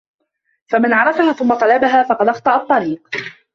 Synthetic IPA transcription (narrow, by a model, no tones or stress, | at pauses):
famanʕɑɾˤɑfahaːθʊmːɑt̪ˤɑlabaɦaːfɑqɑd̪ʔɑxt̪ˤɑʔɑt̪ˤːɑɾiːq